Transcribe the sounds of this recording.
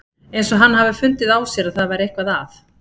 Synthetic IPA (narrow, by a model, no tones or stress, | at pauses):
ejnsɔɦanːɦavʏfʏnt̪ɪðaːwsjɛɾaðθaðvajɾejhkvaðaθ